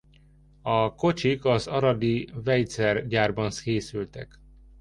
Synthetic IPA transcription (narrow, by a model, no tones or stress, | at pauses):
ɒko̞t͡ʃikɒzɒɾɒd̪ivɛjt̪sɛrɟaːrbɒnskeːsylt̪ɛk